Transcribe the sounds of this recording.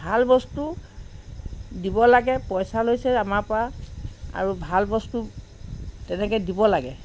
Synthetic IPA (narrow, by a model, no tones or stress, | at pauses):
bʱalbɔstu | dibɔlaɡɛpɔjsalojsɛamaɹpɔaa̰ɹubʱalbɔstu | tɛnɛkɛdibɔlaɡɛ